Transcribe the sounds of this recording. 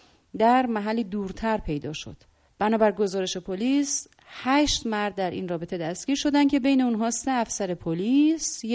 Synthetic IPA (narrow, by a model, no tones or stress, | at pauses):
d̪æɾmæɦælːiːd̪uːɾt̪ʰæɾpʰe̞jd̪ɒːʃo̞̰d̪̥ | b̥ænɒːbæɾɡo̞zɒːɾeʃe̞pʰoliːs | hæʃt̪mæɾd̪̚ːæɾʔḭnrɒːbe̞t̪ʰe̞d̪æst̪ɡ̥ʲiːɾʃo̞d̪æn̚cʰe̞be̞jne̞unɦɒːse̞æfsæɾe̞pʰoliːs